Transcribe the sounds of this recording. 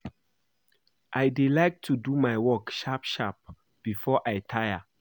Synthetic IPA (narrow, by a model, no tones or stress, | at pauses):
ʔajdilajk̚tʰːudumajwɔkʃapʃap̚ | b̥ifɔʔajtʰajə